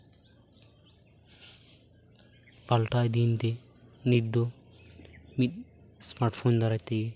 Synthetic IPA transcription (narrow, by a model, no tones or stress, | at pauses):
pɐlʈaːjd̪iːnt̪e | nid̪o | mit̪̚ | smaʈfʰoːnd̪ɐɾat̪ːeje